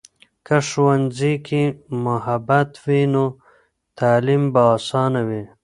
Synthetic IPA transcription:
kaʂwanzikimʊɦabat̪wino | t̪ʰaːlimbaːsɑːnawi

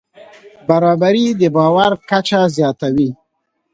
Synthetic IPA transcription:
baɾɑbaɾid̪əbɑwaɾkat͡ʃazjɑt̪awi

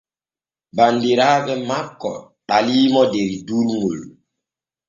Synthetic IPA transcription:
bandeɾaːɓɛmakːɔ̰ | ɗaliːmɔdeɾiduɾŋul

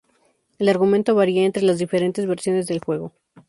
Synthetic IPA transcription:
e̞laɾɣument̪o̞βaɾiaent̪ɾe̞lazðife̞ɾe̞nt̪e̞zβe̞ɾsjo̞ne̞zðe̞lxwe̞ɣo̞

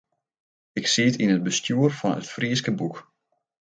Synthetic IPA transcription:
ɪksiətinət̚bəstjuərfɑnə̰tfriəskəbuk

